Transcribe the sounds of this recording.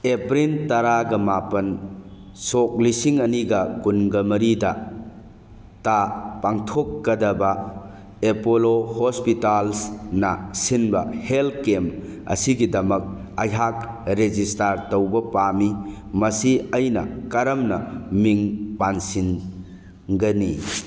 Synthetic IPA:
epɾintɐɾaɡɐmapɐn | sɔk̚lisiŋɐniɡɐkunɡɐmɐɾidɐ | tapaŋtʰɔkːɐdɐbɐ | epolohospitalsnɐsinbɐhelkemɐ̰siɡidɐmɐk̚ | ajɦak̚ɾed͡ʒistaɾtowbɐpami | mɐsiɐjnɐ̰kɐɾɐmnɐmiŋpansin | ɡɐni

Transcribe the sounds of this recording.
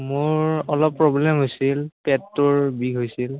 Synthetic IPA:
mʊɹɔlɔpːɹɔblɛmɦojsilpɛtːʊɹbiɡɦojsil

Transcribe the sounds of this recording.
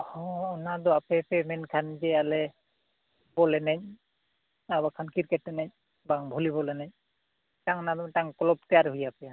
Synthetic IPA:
hɔ̃ɔnad̪ɔapɛpemɛnkʰand͡ʒɛalɛ | bɔlɛnaɲ̚ | abakʰankiɾkɛʈːnaɲ | baŋbʱulibɔlɛnaɲ̚ | taŋnad̪ɔmtaŋkɔlɔb̚t̪ɛjaɾɦujapɛa

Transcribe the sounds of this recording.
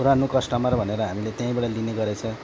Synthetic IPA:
uɾanukʌsʈʌmaɾbʱʌneɾʌɦamilet̪jãĩbaɽʌlineɡʌɾet͡sʰʌ

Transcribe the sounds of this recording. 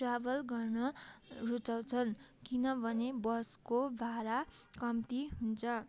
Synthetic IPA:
rabʌlɡʌrnʌrut͡saw̃t͡sʰʌnkinʌbʱʌnebʌskobʱaɾakʌmt̪iɦunt͡sʰʌ

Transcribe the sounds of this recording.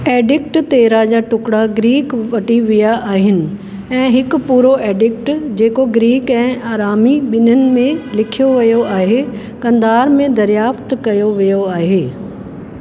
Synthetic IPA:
eːɖɪk̚ʈt̪eːɾad͡ʑaːʈʊkɽaɡɾiːkʋɐʈiʋijaʔaːɦɪnɪ̆ | ɛ̃ːɦɪk̆puːɾoʔeːɖɪk̚ʈd͡ʑeːkoɡɾiːkɛ̃ːaːɾaːmiɓɪnənɪ̆mẽlɪkʰijoʋɐjoaːɦe | kɐ̃nd̪aːɾmẽd̪ɐɾjaːft̪kɐjoʋijoaːɦeː

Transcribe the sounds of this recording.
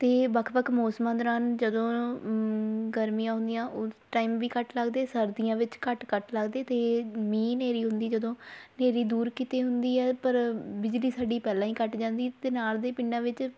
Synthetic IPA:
t̪eːʋəkʰʋəkʰmoːsmãːd̪ɾaːnd͡ʒəd̪õː | ɡəɾmijãːɦʊ̃nd̪ɪjãːʔʊsʈaːiːmʋiːkəʈləɡd̪eːsəɾd̪ɪjãːʋɪt͡ʃkəʈkəʈləɡd̪eːt̪eːmĩːneːɾiːɦʊnd̪iːd͡ʒəd̪õːneːɾiːd̪uːɾkɪt̪eːɦʊnd̪iːɛːpəɾbɪd͡ʒliːsaːɖiːpɛːlãːĩːkəʈd͡ʒãːnd̪iːt̪eːnaːld̪eːpɪɳɖãːʋɪt͡ʃ

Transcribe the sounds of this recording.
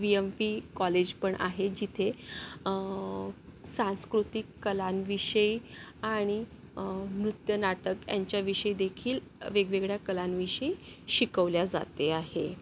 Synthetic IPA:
ʋiempikɔled͡ʑpəɳʔa̰ɦed͡ʑit̪ʰe | sãñskɾut̪ikːəlanʋiɕəjaɽ̃i | mɾut̪jənaʈəkja̰ɲt͡ɕjaʋiɕəjd̪ekʰiːl | ʋeɡʋeɡɭjakəlanʋiɕəjɕikəʋljad͡za̰t̪eaɦe

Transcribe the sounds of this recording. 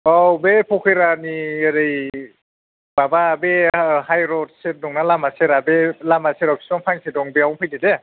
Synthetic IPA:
ɔbepʰɔkʰɯjɾanieɾej | bababehajɾɔt̚set̚nɔŋnalamaseɾabelamaseɾawkʰi̥sɔŋpʰaŋsedɔŋbeawpʰɯjdede

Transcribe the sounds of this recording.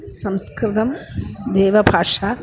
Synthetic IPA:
sɐmskɾɪt̪ɐmd̪ɛːʋɐbʱaːʂaː

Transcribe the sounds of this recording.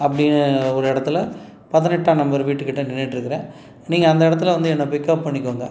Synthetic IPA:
ɐpːɐɽɪnːɔɾɯɛɽɐt̪ːɪlɐ | pɐðɪnɛʈːaːnɐmbɐɾʋiːʈːɯkɪʈːɐnɪnːɪʈːɪɾɯkːɪɾẽː | niːŋɡɐɐnd̪ɐɪɽɐt̪ːɪlɐʋɐnd̪ɯɛnːɐpɪkːɐp̚pɐɳːɪkːuːŋɡɐ

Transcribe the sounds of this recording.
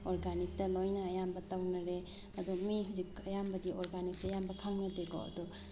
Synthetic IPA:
ɔɾɡanik̚tɐlojnɐːjambɐtawnɐɾe | ɐdɔmiɦuzikɐjambɐdiʔɔɾɡanik̚tajambɐkʰaŋnɐdeɡɔ̰ɐ̰dɔ

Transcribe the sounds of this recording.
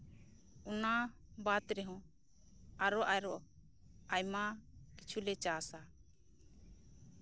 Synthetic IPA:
una | bat̪ɾɛɦɔ̃ | aɾɔʔajɾɔʔ | ajmakit͡ʃʰulɛt͡ʃasa

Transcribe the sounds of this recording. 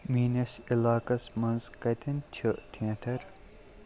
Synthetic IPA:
miːnɐsilaːkɐsmɐnzkɐt̪ɐntʲʰuʈʰiɐ̃ʈʰɐɾ

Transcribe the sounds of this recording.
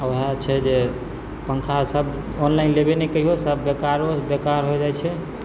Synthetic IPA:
ɦat͡ʃʰɛd͡ʒe | pəŋkʰasəb | onlaɪnlebenɛkəiɦosəbːekaɾɦobekaɾɦod͡ʒaɛt͡ʃʰɛ

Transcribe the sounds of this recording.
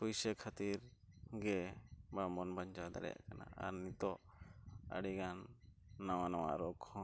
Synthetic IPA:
pujsəkʰat̪iɾɡɛbamɔnbaɲt͡ʃad̪a̰ɽɛ̰ja̰ʔkana̰a̰ɾnit̪ɔ | ə̰ɽiɡanːawanawa̰ʔɾɔkʰɔ̃

